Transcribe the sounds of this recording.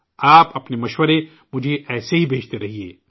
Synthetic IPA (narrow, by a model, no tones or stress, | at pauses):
aːpɐpnemɐʃwəɾe | mʊd͡ʒʱeʔɛːseɦibʱeːt͡ʃt̪eɾɐɦiḛː